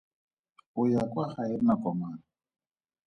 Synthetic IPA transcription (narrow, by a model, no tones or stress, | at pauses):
ʊjakʼwaχaɪnakʼɔmana